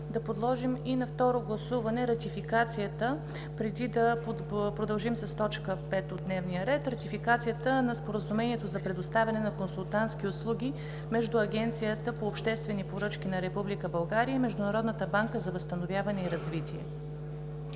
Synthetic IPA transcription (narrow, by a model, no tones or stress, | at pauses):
d̪ɐpod̪lˠɔʒiminɐft̪ɔɾoɡlˠɐsuvɐnɛɾɐt̪ifikat̪sijət̪ə | pɾɛd̪id̪ɐ | pɾod̪ɐlˠʒimsəst̪ɔt͡ʃkəpɛt̪od̪nɛvnijəɾɛt̪ɾɐt̪ifikat̪sijət̪ənɐspoɾəzumɛniɛt̪ozɐpɾɛd̪ʊst̪avʲɐnɛnɐkonsulˠt̪ant̪skʲiʊslˠuɡ̟ʲi | mɛʒd̪uɐɡʲɛnt̪sijət̪əpoːpʃt̪ɛst̪vɛnipoɾɤt͡ʃkʲinɐɾɛpublikəbɐlˠɡaɾijəimɛʒd̪ʊnɐɾɔd̪nət̪əbaŋkəzɐvəst̪ɐnovʲjavɐnɛiɾɐzvit̪ʲiɛ̰